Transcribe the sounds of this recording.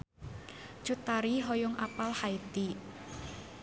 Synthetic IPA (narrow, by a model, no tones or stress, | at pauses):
d͡ʒ̥ut̪aɾiɦojʊŋʔapalhait̪i